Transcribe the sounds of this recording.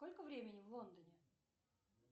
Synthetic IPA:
kolʲkəvɾʲemʲɪnʲɪvlˠo̞nd̪ənʲɪ

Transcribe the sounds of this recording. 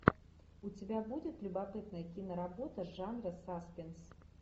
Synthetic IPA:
ut͡sʲɪbʲabud͡zʲɪt̪lʲʊbapɨt̪nɐjəkʲinɐɾabɔt̪ɐʐanrɐsaspʲɪns

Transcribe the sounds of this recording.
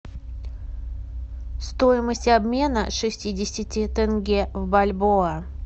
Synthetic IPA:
st̪ojɪməsʲtʲɐbmʲe̞nəʂɨsʲtʲidʲɪsʲɪtʲɪt̪ɨnɡʲevbɐlʲboə

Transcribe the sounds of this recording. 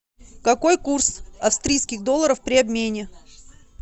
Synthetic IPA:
kɐko̞jkursɐfst̪ɾʲijskʲɪɣd̪olˠːəɾəfpɾʲɪɐbmʲenʲɪ

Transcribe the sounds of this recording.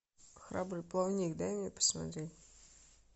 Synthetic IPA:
xɾabɾɨplˠɐvnʲikd̪ajmʲepə̥smɐ̰t̪ɾʲetʲ

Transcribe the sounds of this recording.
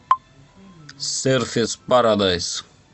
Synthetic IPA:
seɾθespaɾad̪ajs

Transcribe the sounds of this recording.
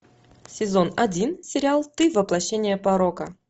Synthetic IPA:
sʲɪzonɐdʲinsʲɪɾʲɪalˠt̪ɨvəplˠɐɕːenʲɪjəpaɾokə

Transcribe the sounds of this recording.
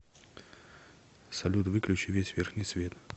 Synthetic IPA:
sɐlʲut̪vɨklʲʉt͡ɕɪvʲesʲvʲerxnʲijsvʲe̞t̪

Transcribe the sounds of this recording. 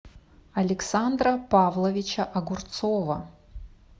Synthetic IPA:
ɐlʲɪksand̪rɐpavlˠɐvʲit͡ʃɐʔɐɡʊrt̪sovɐ

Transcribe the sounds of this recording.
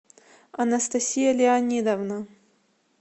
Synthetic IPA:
ɐnɐst̪ɐsʲijalʲɪanʲid̪ɐvna

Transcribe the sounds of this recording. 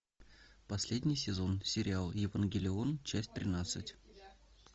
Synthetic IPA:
pɐsʲlʲedʲnʲɪjsʲɪzo̞nsʲɪɾʲɪalˠjɪvənɡʲɪlʲɪo̞nt͡ɕæsʲtʲt̪ʲɾʲɪnat̪sɨ̰tʲ

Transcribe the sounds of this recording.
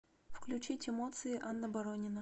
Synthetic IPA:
fklʲʉt͡ɕitʲɪmot̪sɨɪʔanːəbɐɾonʲɪnə

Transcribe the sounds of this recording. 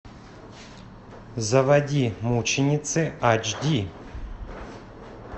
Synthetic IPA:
zɐvɐdʲimut͡ɕɪnʲɪt̪sɨat͡ʃdʲi

